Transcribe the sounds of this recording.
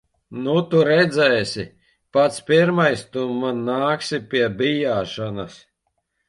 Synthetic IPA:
nut̪uɾɛd̪zɛːsʲi | pat̪spiɾmajst̪umanːaːksipʲiɛbʲijaːʃanas

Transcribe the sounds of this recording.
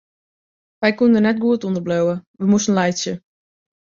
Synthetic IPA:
ʋɛjkundənɛt̚ɡuətundərbløwəʋəmusən̩lɛjsjə

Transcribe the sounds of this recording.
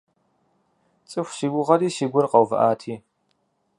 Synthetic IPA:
t͡sʼɨxʷʃiɡʷʊʁɐɾiːʃiɡʷʊrqʼɐwvɨ̰ʔaːtʰiː

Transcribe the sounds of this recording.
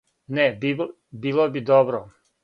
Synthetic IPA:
neb | biːlˠobid̪obɾo

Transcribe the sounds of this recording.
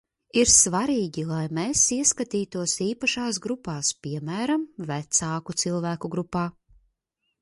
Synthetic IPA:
iɾsvaɾiːɡʲilˠajmesiɛskat̪iːt̪uɔsiːpaʃaːsɡɾupaːspʲiɛmæːɾamvæt̪saːkut̪silˠvæːkuɡɾupːaː

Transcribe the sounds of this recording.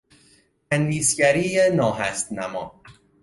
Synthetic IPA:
ænd̪iːsɟæɾiːenɒːɦæst̪næmɒ̰ː

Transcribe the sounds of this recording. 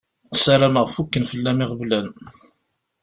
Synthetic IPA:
sæɾæməʁfukːənfəlːæmiʁəblæn

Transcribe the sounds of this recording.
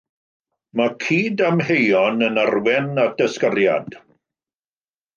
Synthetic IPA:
makʰiːdamɦejɔnənarwɛnad̥əskərja̰d̥

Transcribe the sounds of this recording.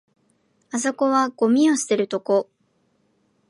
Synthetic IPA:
aso̞ko̞βaɡ̥o̞mʲĩo̞ɕi̥t̪e̞ɾɯ̟t̪o̞ko̞

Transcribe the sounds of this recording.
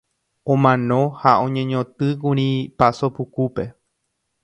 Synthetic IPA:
õmãnõhaõ̞ɲẽɲõt̪ɨkuɾ̃ĩpasopukupe̞

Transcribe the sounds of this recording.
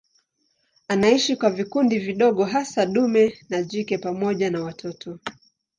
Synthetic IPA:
anaiʃikwavikundiviɗɔɠɔɦasaɗumɛnaʄikɛpamɔʄanawatʰɔtʰɔ

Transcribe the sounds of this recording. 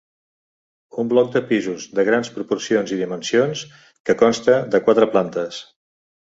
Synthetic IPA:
umblɔk̚d̪əpizuzðəɣ̞ɾanspɾupuɾsionziðimənsions | kəkɔnst̪əðəkwat̪ɾəplant̪əs

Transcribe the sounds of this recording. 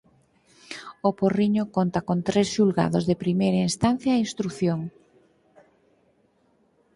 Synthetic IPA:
oporiɲokont̪akont̪ɾesʃulɣa̰ðozðepɾimejɾainst̪anθjainst̪ɾuθjoŋ

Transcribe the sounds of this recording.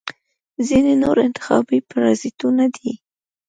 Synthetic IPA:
zinenoɾɪnt̪ɪ̥xɑ̰bipaɾɑsɪt̪unad̪i

